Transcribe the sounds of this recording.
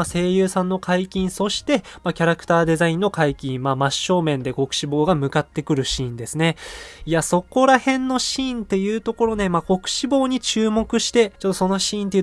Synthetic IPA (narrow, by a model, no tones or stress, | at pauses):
ase̞ːjɯ̟ːsãnːo̞kʰaikʲĩɰ̃so̞ɕi̥t̪e̞makʲaɾakɯ̟̥t̪aːd̪e̞zaĩnːo̞kaikʲĩmamaɕːo̞ːmẽ̞nd̪e̞ɡo̞kɯ̟̥ɕibo̞ːɡamɯ̟kat̪ːe̞kɯ̟ɾɯ̟ɕĩːnd̪e̞sɨne̞iaso̞ko̞ɾahẽ̞nːo̞ɕĩːnt̪e̞jɯ̟ːt̪o̞ko̞ɾo̞ne̞maɡo̞kɯ̟̥ɕibo̞ːɲ̟it͡ɕɨːmo̞kɯ̟ɕi̥t̪e̞t͡ɕo̞t̪ːo̞so̞no̞ɕĩːnt̪ei